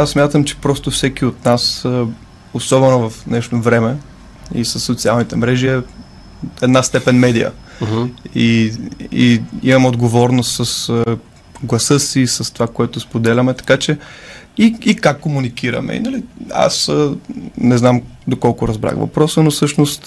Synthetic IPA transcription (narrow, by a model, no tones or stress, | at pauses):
assːmʲjat̪əmt͡ʃɛ̥pɾɔst̪ofsɛkiot̪nas | osɔbɛnovɐfnɛʃt̪ovɾɛmɛ | ḭsəsːot̪sialˠnit̪ɛmɾɛʒiɛ | ɛd̪nast̪ɛpɛnmɛd̪ijə̰ | i | ḭḭmɐmɛod̪ɡovɔɾnost̪sɐsə | ɡlˠɐsɤsiːsɐst̪ovakoɛt̪ʊspod̪ɛlʲɐmɛt̪ɐ̥kat͡ʃɛ | iikakːomunikiɾɐ̰mɛ̰ḭnɐlia̰sənɛznam | d̪okɔlˠkʊɾɐzbɾa̰xvɐ̰pɾɔsənofsɤʃnost̪